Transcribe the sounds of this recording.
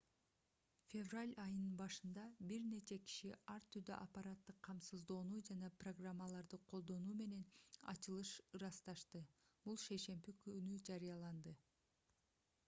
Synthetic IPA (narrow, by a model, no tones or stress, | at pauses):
fʲe̞vralʲɑjɯnɯnbɑʃɯnd̪ɑbiɾne̞t͡ʃe̞ki̥ʃiɑɾt̪ʰyɾd̪ø̰ʔapaɾat̪ːɯqʰːɑmsɯzd̪o̞ːnuːd͡ʒɑnɑproɡramːalˠɑɾd̪ɯqʰo̞lˠd̪o̞nuːme̞ne̞nɑ̰t͡ʃɯlˠɯʃɯɾɑst̪ɑʃt̪ɯb̥ulˠʃe̞jʃe̞mbikynyd͡ʒɑɾɯjɑlˠɑnd̪ɯ